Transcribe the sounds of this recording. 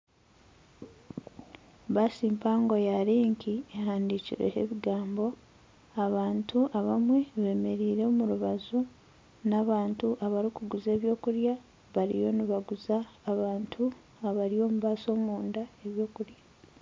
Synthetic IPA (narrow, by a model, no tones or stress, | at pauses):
βasiːmpaːŋɡojaɾiːŋkʰiehaːndiciɾḛhḛβiɡaːmbo̞ | aβaːntʰuʔaβamwe̞βe̞ːme̞ɾiːɾe̞ːmuɾuβazu | naβaːntuʔaβaɾikuɡuze̞ːβjo̞ːkuɾja | βaɾḭjo̞niβaɡuzaːβaːntʰu | aβaɾio̞ːmuβaːso̞ːmuːndae̞βjo̞ːkuɾjḁ